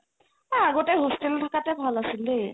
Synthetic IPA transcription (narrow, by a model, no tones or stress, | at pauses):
aaɡɔtɛɦɔstɛltʰakatɛbʱalasilde